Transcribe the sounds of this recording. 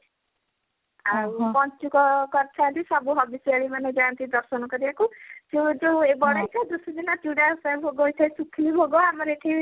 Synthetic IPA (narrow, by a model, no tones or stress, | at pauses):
aupɔnt͡ʃukɔkɔɾt͡ʃʰant̪isɔbuɦɔbisiaɭimaned͡ʒɔant̪id̪ɔɾsɔnɔkɔɾibakud͡ʒod͡ʒoebɔɽajt͡ʃʰad̪usɔd̪inatuɽasajbʱoɡojt̪ʰajsukʰlibʱoɡɔamɔɾeʈʰi